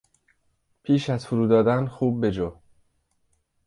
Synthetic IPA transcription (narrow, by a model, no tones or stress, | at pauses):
pʰiːʃæzfuɾuːd̪ɒːd̪ænxuːb̚ːe̞d͡ʒɒː